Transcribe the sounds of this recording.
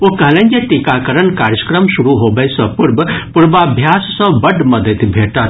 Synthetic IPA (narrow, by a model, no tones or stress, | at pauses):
okəɦlẽnd͡ʒeʈikakəɾənkaːɾjəkɾəmsuɾuɦobəjsə̃puɾbpuɾbabʱjaːsːə̃bəɖmɐd̪ət̪bʱeʈət̪